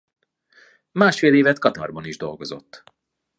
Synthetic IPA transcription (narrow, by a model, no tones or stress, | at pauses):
maːʃfeːleːvɛt̪kɒt̪ɒ̰rbɒniʒd̪o̞lɡozo̞̰t̪ː